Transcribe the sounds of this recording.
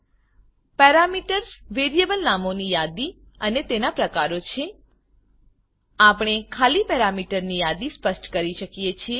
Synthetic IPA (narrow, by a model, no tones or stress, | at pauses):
pɛɾamiʈəɾsʋeɾijebəlnamonijad̪i | ənet̪enapɾəkaɾot͡ʃʰe | apɽ̃ekʰalipɛɾamiʈəɾnijad̪ispəsʈkəɾiʃəkijet͡ʃʰie